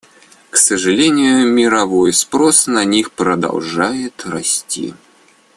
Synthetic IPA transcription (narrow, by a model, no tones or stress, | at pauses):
ksəʐɨlʲenʲɪjʊmʲɪɾɐvo̞jspɾosnɐnʲixpɾəd̪ɐ̰lˠʐajɪt̪rɐsʲtʲḭ